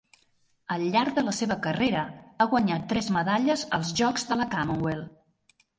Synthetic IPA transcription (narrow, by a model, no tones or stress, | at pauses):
əlːaɾd̪ələseβəkəreɾəaɣwəɲat̪ːɾɛzməðaʎəzəlˠzʒɔkzðələkaməŋwelˠ